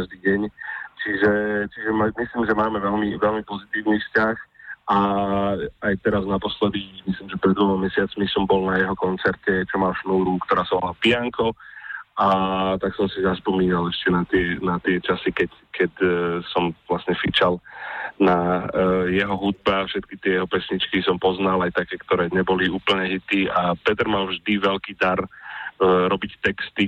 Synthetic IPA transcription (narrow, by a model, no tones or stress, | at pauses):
aʒd̪iːɟɛɲt͡ʃiʒɛt͡ʃiʒɛmamisliːmʒɛmaːmɛʋɛlmiʋɛlmipɔzit̪iːʊniːfscaxa | ajt̪ɛɾaznapɔslɛd̪imisliːmʒɛpɾɛd̪ɔlmamɛsɪat͡smisɔmbɔlnajɛɦɔkɔnt͡sɛɾcɛt͡ʃɔmalʃnuːɾukt̪ɔɾaːsaʋɔlapiaŋkɔ | at̪aksɔmsizaspɔmiːnalɛʃcɛnat̪ɪɛnat̪ɪɛt͡ʃasikɛc | kʰɛcsɔmʋlasɲɛfit͡ʃalna | jɛɦɔɦud̪̚baːfʃɛt̪̚kit̪ɪɛjɛɦɔpɛsɲit͡ʃkisɔmpɔznalajt̪akɛːkt̪ɔɾɛːɲɛbɔliuːpəl̩ɲɛɦit̪iːapɛt̪ɾmalvʒd̪iʋɛlkiːd̪aɾ | ɾɔbict̪ɛkst̪i